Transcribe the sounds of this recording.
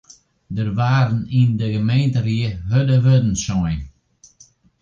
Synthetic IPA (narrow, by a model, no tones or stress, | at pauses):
dərʋaːɾənindəɣəmeːntəriəɦødəʋødən̩sɔjn